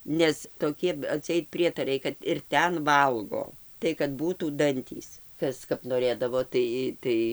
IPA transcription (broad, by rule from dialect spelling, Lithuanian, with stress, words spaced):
ˈnʲɛs toːˈkʲiɛ ɐtʲˈsʲɛɪt ˈpʲrʲiɛtɐrɐɪ kɐt ɪr ˈtʲɛn ˈʋɐlˠɡoː tɐɪ kɐt ˈbuːtuː ˈdɐnʲtʲiːs ˈkɐs kɐp noːˈrʲeːdɐʋoː ˈtɐɪ ˈtɐɪ